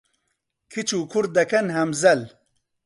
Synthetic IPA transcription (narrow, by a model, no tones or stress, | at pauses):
kʰit͡ʃukʰuɾ̚d̪ɐkɐnɦɐmzɐl